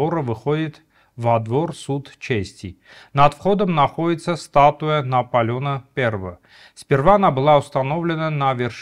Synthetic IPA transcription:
oɾəvɨxodʲɪt̪ | vɐd̪vorsut̪t͡ɕesʲtʲɪ | nɐt̪fχod̪əmnɐxo̞dʲɪt̪səst̪at̪ʊjənɐpɐlʲonəpʲervəvə | sʲpʲɪrvaɐnabɨlˠaʊst̪ɐnovlʲɪnənɐvʲɪrʂ

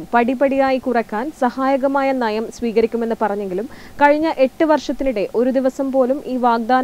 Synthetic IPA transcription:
mpɐɽipɐɽijaːjikurɐkʲːaːnsɐhaːjɐɣɐmaːjɐnɐjɐmsʋiːɣɐɾikʲːume̞nːɨpɐrɐɲːe̞ŋɡilumkɐɻiɲːɐʔe̞ʈːɨʋɐrʂɐt̪ːinuɽe̞ʔo̞ɾud̪iʋɐsɐmpo̞ːlumʔiːʋaːɡ̚d̪aːn

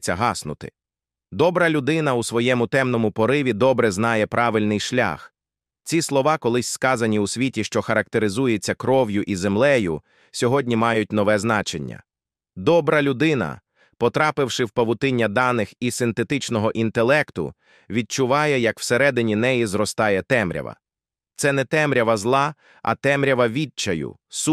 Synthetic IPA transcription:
t͡sʲːɐɦɑsnʊ̰t̪ɪ̰ | d̪ɔbɾɐlʲʊd̪ɪnɐusʋɔjɛmʊt̪ɛmnɔmʊpɔɾɪʋʲid̪ɔbɾɛznɑjɛpɾʔɑʋɪlʲnɪjʃlʲa̰x | t͡sʲislˠɔʋɑkɔlˠɪsʲskɑzɐnʲiʊsʲʋʲitʲiʃt͡ʃɔxɐɾɐk̚t̪eɾɪzujet͡sʲːɐkɾɔʋjʊʔize̞mlˠɛjʊ̰ | sʲɔɦɔdʲnʲimɑjʊtʲn̪ɔʋɛznɑt͡ʃenʲːɐ̰ | d̪ɔbɾɐlʲʊd̪ɪnɐ̰ | pɔt̪ɾɑpɪwʃɪwpɐʋʊt̪ɪnʲːɐd̪ɑnɪxisɪnt̪e̞t̪ɪt͡ʃnɔɦɔʔint̪elˠɛkt̪ʊ̰ | ʋʲid̪̚t͡ʃʊʋɑjɛjɐkw̥seɾɛd̪ɪnʲinɛjizɾɔst̪ɑjɛt̪ɛmɾʲɐ̰ʋɐ̰ | t̪sɛnɛt̪ɛmɾʲɐʋɐzlˠɑ | ɐ̰t̪ɛmɾʲɐʋɐʋʲid̚t͡ʃɐjʊ̰s

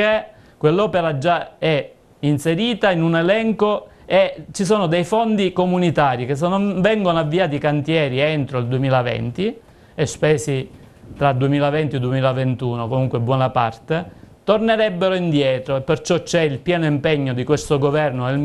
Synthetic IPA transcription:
e | kwelːɔːpeɾad͡ʒːaɛ | inseɾiːt̪ainunelɛŋko | et͡ʃis̬oːnod̪ejfond̪ikomunit̪aːɾik̟es̬enːoɱvɛŋɡonoavːiaːt̪̬ikant̪jɛːɾient̪ɾoild̪uemiːlavɛ̰nt̪i | espɛːsi | t̪ɾad̪uemiːlavɛnt̪iod̪uemiːlavent̪uːnokomuŋkwebːwɔːnapa̰rt̪et̪orneɾɛbːeɾoind̪jɛːt̪ɾoepːert͡ʃɔt͡ʃːɛilpjɛːnoimpeɲːod̪ikwest̪oɡovɛrnoel

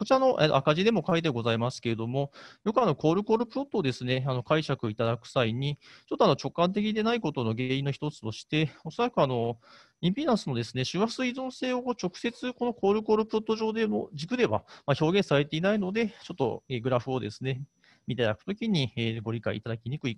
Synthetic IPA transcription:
ko̞t͡ɕiɾano̞ʔet̪o̰akaʑid̪e̞mo̞kait̪̬eɡo̞zaimasɨ̥ke̞ɾe̞d̪omo̞jo̞kɯ̟ano̞ko̞ːɾɯ̟ko̞ːɾɯ̟pɯ̟ɾo̞t̪ːoːd̪e̞sɨne̞ano̞kaiɕakɯit̪ad̪akɯ̟̥saiɲ̟it͡ɕo̞t̪ːoano̞t͡ɕo̞kːãnt̪̬e̞k̬ʲid̪e̞naiko̞t̪o̞no̞ɡeːĩnːoçi̥t̪o̞t͡sɨ̥t̪o̞ɕi̥t̪e̞o̞so̞ɾakɯ̟ano̞ | ĩmpʲinãɰ̃sɨno̞d̪e̞sɨne̞ɕɨβasɨizõɰ̃se̞ːokoːt͡ɕo̞kɯ̟̥se̞t͡sɨko̞no̞ko̞ːɾɯ̟ko̞ːɾɯ̟pɯ̟ɾot̪ːo̞ʑo̞ːd̪e̞mo̰d͡ʑikɯ̟d̪e̞βa̰maço̞ːɡẽ̞ɰ̃saɾe̞t̪e̞inaino̞d̪e̞t͡ɕo̞t̪ːo̞̰eːɡɯ̟ɾaɸɯ̟o̞d̪e̞sɨne̞ | mʲit̪ed̪akɯ̥t̪o̞kʲiɲ̟ieːɡo̞ɾʲikaḭːt̪ad̪akʲiɲ̟ikɯ̟ik

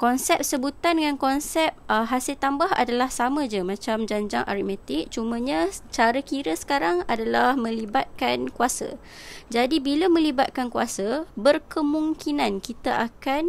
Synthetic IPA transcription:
kɔnsɛp̚səbut̪andəŋankɔnsɛp̚ɦasɪlt̪ambaɦa̰dalahsamə̃d͡ʒəmãt͡ʃamd͡ʒaɲd͡ʒaŋʔa̰ɾimɛt̪ɪk̚t͡ʃumə̃ɲat͡ʃaɾakiɾəsə̥kaɾaŋadalahmə̃libat̪̚kankuasa̰ | d͡ʒadibiləmə̃libat̪̚kankuasəbərkəmũŋkinankit̪aʔakan

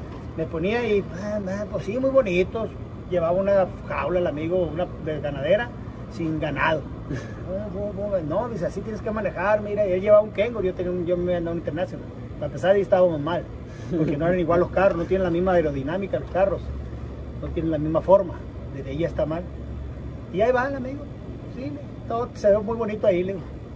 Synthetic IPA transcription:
meponiaieepwesimujβonit̪os | ʝeβaβauna | xawlalamiɣounad̪ezɣanaðeɾa | siŋɡanaðo | oubenoðis̬easit̪jeneskemanexaɾmiɾaelʝe̞βaβauŋkeŋɡoʝot̪eniaʝomeand̪aβwunint̪eɾnasjonal | apesaɾðeest̪aβamozmal | poɾkenoeɾaniɣwalːoskarosnot̪̬jenenlamizmaeɾoðinamikaloskaros | not̪jenenlamizmafoɾma | d̪eðeejaest̪amal | iaiβanamiɣo | sile | t̪oðoseβemujβonit̪oailiɣo

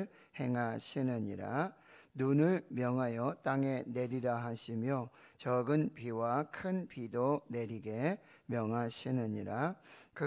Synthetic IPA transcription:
ɭ | he̞ŋɦaɕʰinɯɲiɾa̰nunɯɭmjʌŋɦajʌt͈aŋe̞ne̞ɾiɾaɦaɕʰimjo | t͡ɕʌɡɯnpiwakʰɯnpidone̞ɾiɡe̞ | mjʌŋɦaɕʰinɯɲiɾakɯ

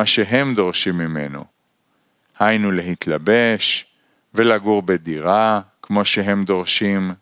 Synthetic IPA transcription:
aʃeɦe̞md̪o̞ʁʃimːime̞̰no̰ | hajnule̞ɦit̪labe̞ʃ | velaɡuʁbed̪iʁakmo̞ʃeɦe̞md̪o̞ʁʃim

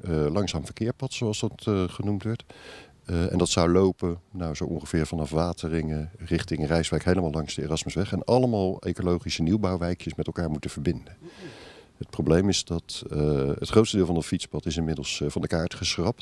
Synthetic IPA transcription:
lɑŋsaːmvəɹkɪːɹpɑtsowɑlˠsdɑtχənumtʋɛɹt | ɛ̰ndɑtsɑwlowpənawzowʔɔ̰̃ŋχəvɪːɹvɑnɑfʋaːtərɪŋərɪχtɪŋənrɛjsʋɛjkɦejləmaːlˠlɑŋzdəḛːrɑsməsʋɛχɛnɑləmaːlˠejkolowχisəniwbawʋɛjkjəsmɛtɛlˠkaːɹmutəv̥əɹbɪndən | ət̚prowblejmɪzdɑt | ətχrowtstədɪːlˠvɑndɑtfitspɑtɪsɪnmɪdəlˠsvɑndəkaːɹtχəsrɑpt

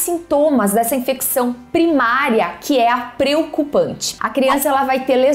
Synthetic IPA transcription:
sĩnt̪õmɐzd̪ɛsɐĩfeksɐ̃w̃pɾimaɾjɐkʰɪɛɐpɾeokupɐ̃nt͡ʃɪ̥ɐkɾiɐ̃sɐɛlɐvajt̪eɾle

